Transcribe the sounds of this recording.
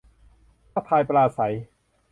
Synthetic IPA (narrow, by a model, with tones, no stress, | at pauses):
pa˥˧˩pʰaː˧jpɾaː˧sa˩˦j